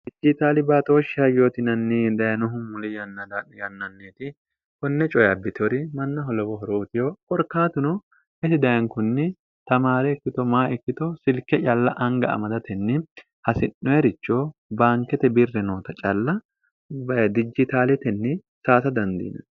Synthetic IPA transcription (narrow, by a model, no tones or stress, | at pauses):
d̪̥ɪd͡ʒɪt̪aːlɪbaːt̪oːʃɪɐjoːt̪ɪnɐnːɪd̪ɐjɐnʊɦʊmʊlɪjɐnːɐd̪ɐjɐnːɐnːeːt̪ɪ | kɔnːɛt͡ʃʼɔjɐbːɪt̪ʰɔɾɪmɐnːɐɦɔlɔwɔɦɔɾoːt̪ɪjokʼɔɾkːaːt̪ʊnɔ | ɛsɪd̪ɐjɐŋkʊnːɪ | t̪ɐmaːɾɛːkːɪt̪ɔmaːɛkːɪt̪ɔsɪlkːɛt͡ʃʼɐlːɐʔɐŋɡɐɐ̰mɐd̪ɐt̪ɛnːɪ | hɐsɪnːɔjɛɾɪt͡ʃːoːbaːŋkɛt̪ɛbɪrːɛnoːt̪ɐt͡ʃʼɐlːɐ | bd̪ɪd͡ʒɪt̪aːlɛt̪ɛnːɪ | saːsɐd̪ɐnd̪ḭːnɐ̰n